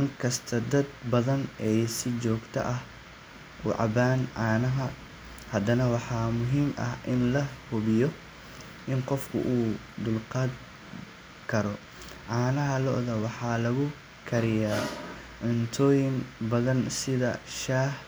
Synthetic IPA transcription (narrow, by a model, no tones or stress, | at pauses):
ɪŋkʰɐst̪ʰɐd̪ɐd̪̚bɐðɐnɛjsɪt͡ʃɔːɡt̪ʰɐ̰ʔɐh | ʔuːʕɑ̰baːnʕɑːnɐɦɐ | hɐd̪ɐnɐwɑħɑːmʊɦiːmʔɐ̰ɦʔɪnlɐhʊβɪjɔ | ʔɪnqɔfkʰʊ̰ʔuː | d̪ʊlqɑːd̪ | kʰɐɾɔ | ʔɑːnɐɦɐlɔʔðɐwɑħɑːlɐɣʊ | kʰɐɾɪjaː | ʕʊnt̪ʰɔːjɪŋbɐðɐnsɪðɐ̰ʃaːh